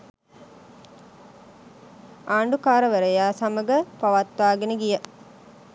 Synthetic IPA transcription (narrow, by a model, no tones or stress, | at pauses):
aːɳɖukaːɾəʋəɾəjaːsaməɡəpaʋat̪ʋaːɡenəɡijə